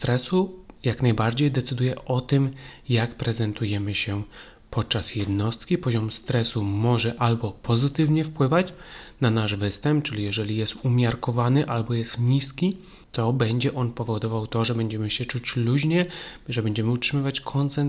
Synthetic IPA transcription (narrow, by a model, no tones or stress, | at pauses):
t̪ɾɛsujaknajbaɾd͡ʑejd̪ɛt̪sɘd̪ujɛʔɔt̪ɘmjakpɾɛzɛnt̪ujɛmɘɕɛ | pɔt̪̚t͡ʂasjɛd̪nɔst̪kʲipɔʑɔmst̪ɾɛsumɔʐɛʔalbɔpʰɔzɘt̪ɘvɲɛfpwɘvat͡ɕnanaʐvɘst̪ɛmp̚t͡ʂɘlʲijɛʐɛlʲijɛst̪umʲjaɾkɔvanɘʔalbɔjɛst̪ɲiskʲi | t̪ɔbɛɲd͡ʑɛʔɔnpɔvɔd̪ɔvawt̪ɔʐɛbɛɲd͡ʑɛmɘɕɛt͡ʂut͡ɕluʑɲɛʐɛbɛɲd͡ʑɛmɘutʂɘmɘvat͡ɕkʰɔnt̪sɛn